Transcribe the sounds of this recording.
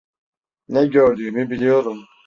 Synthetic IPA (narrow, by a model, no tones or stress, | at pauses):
nɛɟɔɾd̪imibilijoɾum